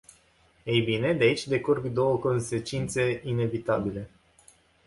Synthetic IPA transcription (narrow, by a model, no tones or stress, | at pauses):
ejbine̞d̪eait͡ʃʲd̪e̞kurɡd̪o̞wəko̞nse̞t͡ʃint̪se̞ine̞vit̪abile̞